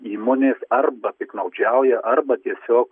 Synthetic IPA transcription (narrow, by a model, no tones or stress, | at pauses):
iːmoːnʲeːsɐrbɐpʲɪknɐʊd͡ʒʲɛʊjɛʔɐrbɐt̪ʲiɛsʲoːk